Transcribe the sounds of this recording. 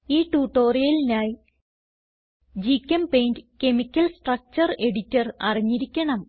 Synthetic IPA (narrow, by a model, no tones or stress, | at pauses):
iːʈuːʈːoːrijɐlinaːj | d͡ʑikʲːɐmpejndɨke̞mikʲːɐlsʈrɐk̚t͡ɕɐre̞ɽitːɐrɐ̰riɲːiɾikʲːɐɳɐm